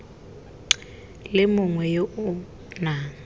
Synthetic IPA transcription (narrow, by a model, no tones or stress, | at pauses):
lɪmʊŋwɛjoʔ | naː